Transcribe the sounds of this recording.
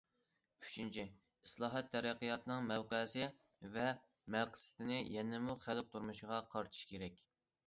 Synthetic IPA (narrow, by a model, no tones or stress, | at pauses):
y̥t͡ʃʰint͡ʃʰi | islˠɑːɦɛt̪ʰːɛɾæqːijɑt̪ʰɨnɨŋmɛwqəsɪ | vɛ | mɛqsɪ̥t̪ɪnɪjɛnɪmuχælp̚t̪ʰuɾmuʃɪʁɑqʰɑɾt̪ʰɨ̥ʃkʲeɾɛkʲ